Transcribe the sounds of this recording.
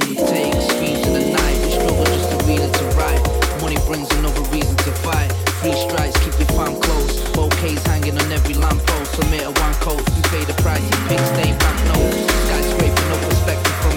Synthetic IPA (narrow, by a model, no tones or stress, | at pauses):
tʰeɪɨskĩnzɨ̃nɨnaɪʔ̚wɨt͡ʃoʊbəd͡ʒʌstɨɹizɨ̃ntʰɨɹaɪt̚mʌnibɹɪ̃ŋzɨnʌvəɹizɨ̃n̩tʰɨfaɪt̚fɹistɹ̥aɪkskʰip̚ðɨfãɹmkʰl̥oʊs | b̥oʊkʰeɪz̥hæ̃ŋɪ̃ŋə̃nɛvɹilæ̃mpʰoʊfəmɪɾəwʌ̃nkʰoʊt̚ɨpʰeɪðɨpʰɹ̥aɪsɨ̃pʰɪksdẽɪ̃bak̚noʊ | ɡ̥aɪsɹeɪpɨnoʊpʰə˞spɛk̚tɨv̥ə